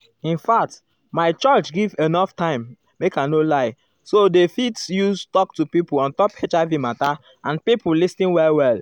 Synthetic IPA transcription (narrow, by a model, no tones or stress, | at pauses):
ĩnfak̚t | maɪt͡ʃɔt͡ʃɡivenɔftãɪ̃mː | ekanolaɪ | sodefitsjustɔktupipulɔ̃ntɔpet͡ʃaɪvimata | ãnpipulistĩnwɛlwɛl